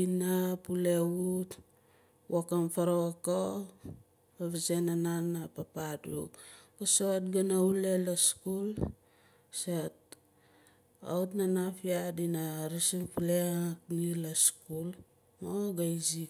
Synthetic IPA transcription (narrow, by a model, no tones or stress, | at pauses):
inapuleut | wokamfaɾoako | paβisenananapapadṵkasotɡanaulelaskul | set̚ | a̰utnanafiadinaɾisipuleaknilaskul | moɡajzi